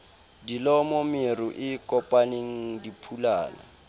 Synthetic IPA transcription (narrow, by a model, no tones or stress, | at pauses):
dilɔmomɪruʔɪkʼɔpʼaneŋ̩dipʰula̰ːna̰